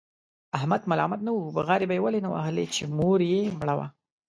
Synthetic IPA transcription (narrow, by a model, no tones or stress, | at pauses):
ahmad̪malɑ̰mat̪̚nawubaɣɑɾebajewalenawa̰hlḛt͡ʃemoɾjemɽawa̰